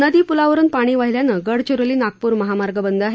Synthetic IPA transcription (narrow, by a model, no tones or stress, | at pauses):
nəd̪iːpulaʋəɾuːnpaɽ̃iːʋaɦiljanəɡəɽt͡ɕuɾəliːnak̚puːɾməɦamaɾɡəbənd̪aɦe